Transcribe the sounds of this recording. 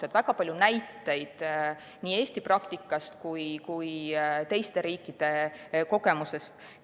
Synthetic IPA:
sed̪væɡɑpɑlʲjunæjt̪ːˑe̞jd̪̥ | niːe̞ːsʲt̪iprɑkt̪ikˑːɑst̪kujkujt̪e̞jst̪e̞ɾiːkˑːid̪̥e̞ko̞ɡe̞muse̞st̪

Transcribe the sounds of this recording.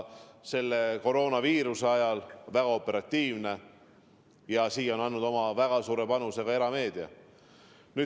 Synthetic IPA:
se̞lːe̞ko̞ɾo̞ːnɑviːɾuseɑjɑlvæɡ̥ɑo̞pːˑe̞ɾɑt̪ˑːiːvne̞ | jɑsiːo̞nɑnːud̪o̞mɑvæɡ̥ɑsuːɾepɑnuse̞ɡ̥ɑe̞ɾɑme̞ːd̪̥iɑ̰ | nyː

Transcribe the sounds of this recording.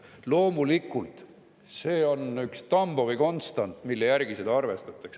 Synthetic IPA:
lo̞ːmulikːˑult̪ | se̞ːo̞nykst̪ɑmb̥oviko̞nt̪st̪ɑnt̪ˑmilːejæɾɡised̪̥ɑɑrve̞st̪ɑt̪ːˑɑks

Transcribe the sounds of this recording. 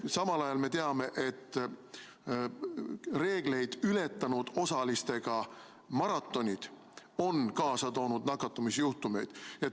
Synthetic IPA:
sɑmɑlɑjɑlme̞t̪eɑme̞ʔe̞t̪ːˑ | re̞ːɡ̥le̞jd̪̥yle̞t̪ːˑɑnud̪̥o̞sɑlist̪e̞ɡ̥ɑ | mɑɾɑt̪ːˑo̞nʲid̪̥ | o̞nkɑːsɑt̪o̞ːnud̪̥nɑkːɑt̪ːˑumisjuht̪ume̞jd̪̥jɑ

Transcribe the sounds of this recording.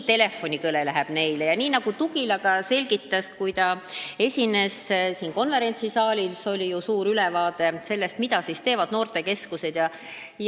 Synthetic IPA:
t̪e̞le̞fːo̞nʲikɤlelæɦɛb̥ne̞jlejɑniːnɑɡ̥ut̪uɡ̥ilɑɡɑse̞lʲɡit̪ːˑɑskujt̪ɑe̞sʲine̞ssiːnko̞nve̞ɾe̞nʲt̪sisɑːlʲilso̞lʲijusuːɾylɛvɑːd̪̥e̞se̞lːe̞st̪mid̪ɑsiːst̪e̞ːvɑd̪̥no̞ːrt̪e̞ke̞skuse̞d̪̥jɑ | j

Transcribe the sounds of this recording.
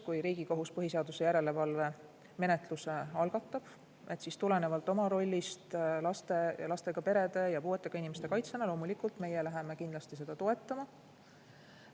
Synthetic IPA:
kujɾiːɡiko̞ɦuspɤɦise̞ɑd̪̥use̞jæɾe̞le̞vɑlve̞ | me̞ne̞t̪ˑluseɑlɡ̥ɑt̪ːˑɑb̥ | e̞t̪ːˑsist̪ule̞ne̞vɑlt̪ːˑo̞mɑɾo̞lʲːist̪lɑst̪e̞jlɑst̪e̞ɡ̥ɑpe̞ɾe̞d̪e̞jɑpuːet̪ˑːe̞ɡ̥ɑinime̞st̪e̞kɑjt̪senɑlo̞ːmulikˑult̪me̞je̞læɦeme̞kind̪lɑst̪is̬e̞d̪̥ɑt̪o̞e̞t̪ˑːɑmɑ

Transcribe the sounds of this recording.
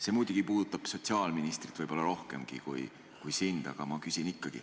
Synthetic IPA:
se̞muːd̪̥ʲuɡ̥ipuːd̪ut̪ːˑɑb̥so̞t̪siɑːlminist̪rit̪vɤjb̥o̞lːɑɾo̞hke̞̰mɡ̥ḭkṵj | kujsind̪̥ɑ̰ɡ̥ɑ̰mɑkysʲinikːˑɑɡ̥ḭ

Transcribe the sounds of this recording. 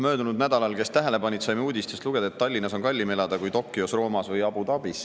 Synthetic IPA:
mø̞ːd̪unud̪næd̪ɑlɑlke̞st̪æɦe̞le̞pɑnʲit̪sɑjmuːd̪ist̪est̪luɡ̥ed̪̥et̪ːɑlʲːinːɑso̞nkɑlʲːime̞lɑd̪ɑkujt̪o̞kːˑio̞sro̞ːmɑsvɤjɑb̥ut̪ɑb̥is

